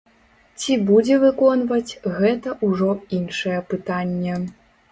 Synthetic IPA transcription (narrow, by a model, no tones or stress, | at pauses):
t͡sʲibud͡zʲɛvɨkɔnvɐt͡sʲɣɛt̪ɐʔuʐɔinʂɐjɛpɨt̪anʲːɛ